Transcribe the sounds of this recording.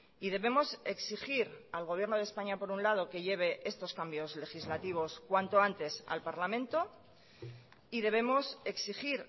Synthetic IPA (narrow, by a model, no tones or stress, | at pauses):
iðe̞βe̞mo̞se̞ksixiɾalɣ̞o̞β̞je̞ɾno̞ð̞espaɲapo̞ɾunlað̞o̞ke̞ʝe̞β̞e̞ʔe̞st̪o̞skambjo̞zle̞xizlat̪iβ̞o̞skwant̪o̞ant̪e̞sa̰lpaɾlamẽ̞nt̪o̞ | ið̞e̞β̞e̞mo̞se̞ksixiɾ